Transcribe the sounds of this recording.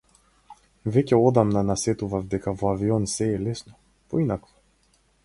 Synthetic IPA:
vɛcʲɛɔd̪amnanasɛt̪uvavd̪ɛkavɔaviɔnsɛːlɛsnɔ | poinakɔ̥

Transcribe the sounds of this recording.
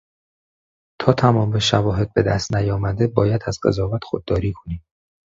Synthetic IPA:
t̪ʰɒːt̪ʰæmɒːmbeʃævɒːɦe̞d̪̚be̞d̪æst̪næjɒːmæd̪e̞bɒːjæd̪æzɢe̞̰zɒːvæt̪xo̰d̪ːɒːɾiːkʰo̞̥niːm

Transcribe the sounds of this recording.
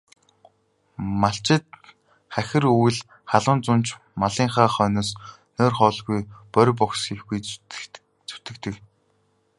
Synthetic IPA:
maɬt͡ɕɪ̆t̪̚ | χæxʲɪ̆ruj̆ɮ | χaɮʊ̆nt͡sʊnt͡ɕ | maɮiːŋχaːχœːnɔːs | nœːrχɔːɮɣujpœɾ̆ʲp̬ɔksxexɡuj | t͡sɵ̥t̪ɘ̆kt̪ɘ̆k

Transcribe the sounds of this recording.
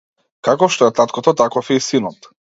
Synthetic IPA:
kakɔfʃt̪ɔɛt̪at̪kɔt̪ɔt̪akɔfɛisinɔt̪

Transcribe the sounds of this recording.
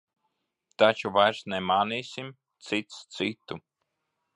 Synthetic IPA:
t̪at͡ʃuvajɾsnɛmaːniːsim | t̪sit̪st̪sit̪u

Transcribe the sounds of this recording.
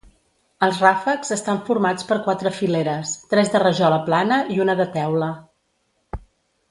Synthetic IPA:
əlˠzrafəkzəst̪aɱfuɾmat͡spəɾkwat̪ɾəfileɾəst̪ɾɛzðərəʒɔləplanəʔiunəðət̪ɛwlə

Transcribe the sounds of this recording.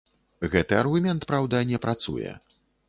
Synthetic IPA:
ɣɛt̪ɨɐrɣumʲɛnt̪pɾawd̪ɐnʲɛpɾat̪sṵjɛ̰

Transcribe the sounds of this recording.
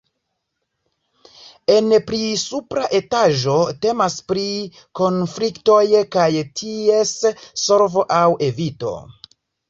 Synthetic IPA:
e̞npɾisupɾaʔe̞taʒo̞te̞maspɾi | ko̞nflikto̞jkajtʰie̞sːo̞ɾvo̞ʔawe̞vito̞̰

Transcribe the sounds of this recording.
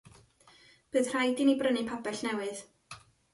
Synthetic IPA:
b̥əːðr̥ajdinibrənɨpʰabɛɬnɛwɨð

